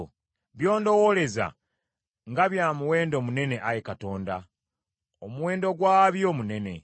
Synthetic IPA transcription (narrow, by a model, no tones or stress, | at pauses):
βjo̞ːndo̞wole̞za̰ | ŋɡaβjaːmuwe̞ːndo̞mune̞ne̞ʔajekato̞ːnda̰ | omuwe̞ːndo̞ɡwaːβjo̞ːmune̞ne̞̰